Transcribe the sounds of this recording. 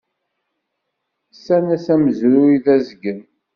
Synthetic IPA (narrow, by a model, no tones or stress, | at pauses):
sænæsæməzɾʊiðæzəɡən